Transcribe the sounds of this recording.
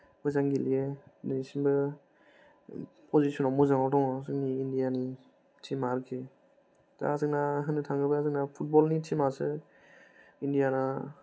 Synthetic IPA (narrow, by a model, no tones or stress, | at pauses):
mɔjzaŋɡilienisinbɯ | pʰɔzisʰɔnɔmɔzaŋɔwdɔŋasɯk̚niːndijani | tʰimaɾɯkʰi | ta̰azɯknaɦɯnɯtʰaŋɡɯbɯazɯk̚napʰut̚bɔlnitʰimasɯ | indijana